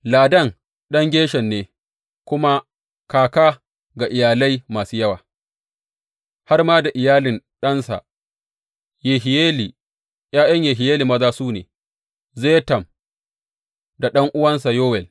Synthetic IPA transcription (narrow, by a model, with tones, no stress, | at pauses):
laː˨dɐ˦˨ŋ | ɗɐ˦ŋɡʲeː˦ʃɛ˨nːeː˦ | kʷʊ˦ma˦ | kaː˨kaː˦ | ɡa˨ʔɪ˨jaː˨la˦jmaː˨suː˦jɐ˦wa̰ː˨ | ha˦rmaː˦da˨ʔɪ˨jaː˦lɪ˨nɗɐ˦nsa̰˨ | je˨ɦɪ˨je˦li˨ | jaː˦jɐ˦ɲjeː˨ɦɪ˨jeː˦li˨mɐ˦zaː˦suː˦neː˨ | zeː˦tɐ˨m | da˨ɗɐ˦ŋʔʊ˦wɐ˦ns̬a˨joː˦wɛ˨l